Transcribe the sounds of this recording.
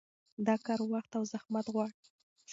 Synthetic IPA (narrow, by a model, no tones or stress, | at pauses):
d̪ɑkɑɾwaxt̪awzahmat̪ɣwɑɽ